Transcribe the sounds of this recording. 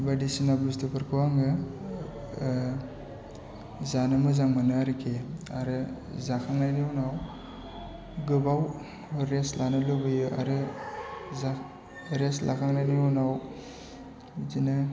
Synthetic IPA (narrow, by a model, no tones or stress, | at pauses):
badisinabustɯpʰɯɾkʰɯwaŋɡɯ | zanɯmɯzaŋmanaɾikʰeaɾɯ | zakʰaŋnajniunaw | ɡɯbaw | ɾeslanɯlobɯjɯʔa̰ɾɯ | za | ɾeslʔakʰaŋnajniunaw | zina